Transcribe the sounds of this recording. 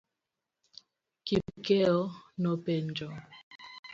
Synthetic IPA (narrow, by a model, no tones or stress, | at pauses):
kipkeɔnɔpend͡ʒɔ